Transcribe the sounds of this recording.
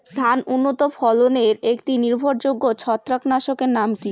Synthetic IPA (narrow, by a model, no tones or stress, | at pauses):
d̪ʱanunːot̪ofʰɔloneɾekʈiniɾbʱoɾd͡ʑoɡːot͡ɕʰɔt̪ːɾaknaʃokeɾnamki